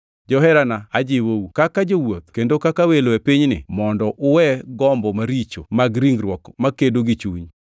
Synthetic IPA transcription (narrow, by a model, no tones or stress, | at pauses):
d͡ʒɔɦɛɾanaad͡ʒɪwowkakad͡ʒowot̪̚kendokakaweloepiɲnɪ̰mɔndɔʔʊwɛɡɔmbɔmaɾit͡ʃo̰maɡɾiŋɾwɔkmakedoɡit͡ʃuɲ